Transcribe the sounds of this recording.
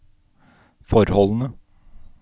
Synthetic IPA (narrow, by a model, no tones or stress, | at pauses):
fɔɾhɔln̩ə